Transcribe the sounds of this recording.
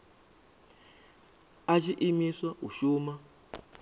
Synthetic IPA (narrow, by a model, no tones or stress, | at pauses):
at͡ʃiʔimiswauʃuːma